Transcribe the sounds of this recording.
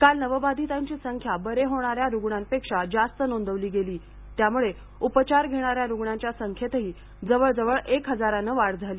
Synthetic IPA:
kalnəʋəbad̪ʱit̪aɲt͡ɕiːsəŋkʰjabəɾeɦoɽ̃aɾjaɾuɡɳampekʂad͡zast̪ənond̪əʋliːɡeliː | t̪jamuɭe | upət͡ɕaɾɡʱeɽ̃aɾjaɾuɡɳaɲt͡ɕjasəŋkʰjet̪əɦiː | d͡zəʋəɭd͡zəʋəɭekɦəd͡zaɾanəʋaɽd͡zʱaliː

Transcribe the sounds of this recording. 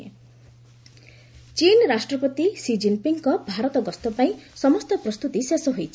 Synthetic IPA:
e | t͡ʃinɾasʈɾɔpɔt̪isid͡ʒinpiŋkɔbʱaɾɔt̪ɔɡɔst̪ɔpaĩsɔmɔst̪ɔpɾɔst̪ut̪isesɔɦojt͡ʃʰi̥

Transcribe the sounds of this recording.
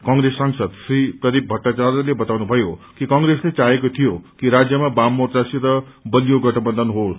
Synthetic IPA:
kʌŋɡɾesːʌŋsʌd̪srip̪ʌɾik̚bʱʌʈːat͡sarlebʌt̪awnubʱʌjokikʌŋreslet͡saɦekot̪ʰijokiɾad͡zjʌmabamːortasiɾʌ | bʌlijoɡʌʈʰʌbʌnd̪ʱʌnɦo

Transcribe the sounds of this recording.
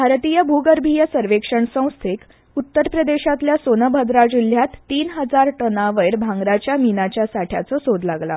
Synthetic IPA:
bʱaɾt̪iːjəbʱuɡəɾbʱijəsəɾʋekʂəɳsə̃w̃st̪ʰek | ut̪ːəɾpɾəd̪eɕat̪ljasonəbʱəd̪ɾad͡ʑul̤jat̪ːiːnɦəd͡zaɾʈənaʋəjɾbʱãŋɡɾat͡ɕjaminat͡ɕjasaʈʰja̰t͡sɔsod̪laɡla̰

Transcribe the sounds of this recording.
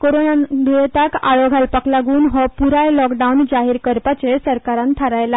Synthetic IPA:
koɾonad̪iɭet̪aka̰ɭoɡʱalpaklaɡuːnɦɔpuɾajlɔkɖaund͡zaɦiːɾkəɾpat͡sesəɾkaɾãnt̪ʰaɾajla

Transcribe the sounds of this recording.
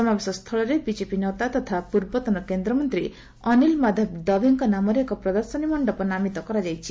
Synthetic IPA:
ɔmabesɔst̪ʰɔɭɔɾebid͡ʒepinɔt̪at̪ɔt̪ʰapuɾbɔt̪ɔnɔkend̪ɾɔmɔnt̪ɾi | ɔnilmad̪ʱɔb̚d̪ɔbʱiŋkɔnamɔɾeːkɔpɾɔd̪ɔɾsɔnimɔɳɖɔpɔnamit̪ɔkɔɾad͡ʒajt͡ʃʰi̥

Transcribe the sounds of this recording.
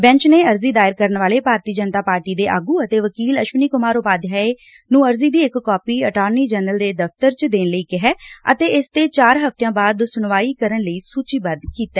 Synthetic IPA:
bɛ̃ɲt͡ʃneːəɾziːd̪aːɪɾkəɾənʋaːleːpaːɾt̪iːd͡ʒənt̪aːpaːɾʈiːd̪eːʔa̰ːɡuːət̪eːʋəkiːləʃʋəniːkʊmaːɾʊpaːd̪jaːe | nũːəɾziːd̪iːɪkːɔːpiːəʈaːɾniːd͡ʒɛːnəld̪eːd̪əft̪əɾt͡ʃd̪eːnləiːkɪɦɛːə̰t̪eːɪst̪eːt͡ʃaːɾɦəft̪ejãːbaːd̪sʊnʋaːiːkəɾənləiːsuːt͡ʃiːbənd̪kiːt̪ɛː

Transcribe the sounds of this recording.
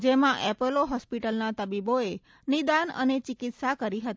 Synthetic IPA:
d͡ʒemãʔɛpəloɦɔspiʈəlnat̪əbiboe | nid̪anə̰net͡ʃɪkɪt̪sakəɾiɦət̪i

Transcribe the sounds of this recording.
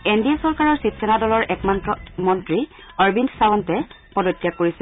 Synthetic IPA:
endijasɔɹkaɹɔɹsipsɛnadɔlɔɹʔɛkmantɔmɔntɹi | ɔɹbindsawɔntɛ | pɔdɔtːjakːoɹisɛ

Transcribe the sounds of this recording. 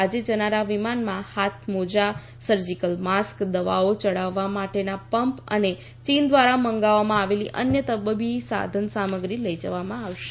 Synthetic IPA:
ad͡ʒed͡ʒənaɾaʋimanmãhat̪ʰmod͡ʒa | səɾd͡ʒikəlmaskd̪əʋaot͡ʃəɽaʋːamaʈenapəmpə̰ne | t͡ʃind̪ʋaɾaməŋɡaʋamãaʋeliʔənjət̪əbəbʱisa̰d̪ʱənsaməɡɾiləid͡ʒəʋamãaʋʃe̥

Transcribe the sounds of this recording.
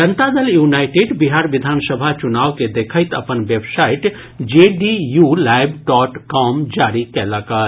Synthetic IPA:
d͡ʒənt̪ad̪əljuːnaɪʈeɖbiɦaːɾʋɪd̪ʱaːnsəbʱat͡ʃʊnaːʋked̪ekʰəɪt̪əpənʋebsaːɪʈ | d͡ʒeɖijulaːɪbɖɔːʈkɔːmd͡ʒaːɾikɛləkə

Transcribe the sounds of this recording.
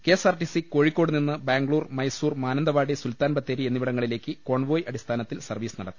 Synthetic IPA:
ke̞ːsaːrʈisiko̞ːɻikʲːo̞ːɽɨninːɨbaːŋɡɭuːrmɐjsuːrmaːnɐnd̪ɐʋaːɽisult̪aːnbɐt̪ːeːɾienːiʋiɽɐŋːɐɭile̞ːkːɨko̞ːɳʋo̞ːjʔɐɽist̪ʰaːnɐt̪ːilsɐrʋiːsɨnɐɽɐt̪ːi̥

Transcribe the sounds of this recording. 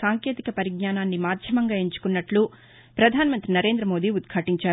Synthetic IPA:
aːŋkjeːt̪ikɐpɐɾiɡɲaːnaːnːimaːd̪ʱjɐmɐŋɡaːeɲt͡ʃu̥kunːɐʈlu | pɾɐd̪ʱaːnɐmɐnt̪ɾinɐɾe̞ːnd̪ɾɐmo̞ːd̪iːud̪kʰaːʈiɲt͡ʃaː

